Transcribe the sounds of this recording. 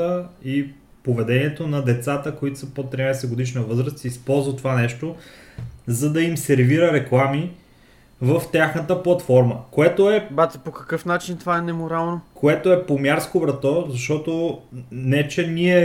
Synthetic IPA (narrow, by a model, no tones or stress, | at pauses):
əi | povɛd̪ɛniɛt̪onɐd̪ɛt̪sat̪əkoit̪o̥səpot̪ːɾinajsɛɡod̪iʃnəvɤzɾəst̪iispɔlˠzvət̪ovanɛʃt̪o | zɐd̪ɐimsɛɾviɾəɾɛklˠami | vəft̪ʲjaxnət̪əplˠɐt̪fɔɾməkoɛt̪oɛbat̪ɛpokɐ̥kɤfnat͡ʃint̪ovaɛnɛmoɾalˠnokʰoɛt̪oɛpomjaɾskovɾɐt̪ɔzɐʃt̪ɔt̪onɛt͡ʃɛniɛ